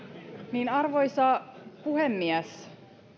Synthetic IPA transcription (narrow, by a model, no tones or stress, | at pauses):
niːnɑrʋojsɑpuhemːiæs